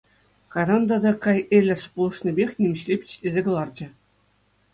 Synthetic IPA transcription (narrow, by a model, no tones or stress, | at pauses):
kɑɾɑnd̪ɑd̪ɑkɑjelʲɘ̆spulˠɤ̆ʂnʲebʲexʲnʲemʲɘ̆ɕlʲepʲi̥t͡ɕlʲezʲeɡɤ̆lˠɑrd͡ʑɘ̆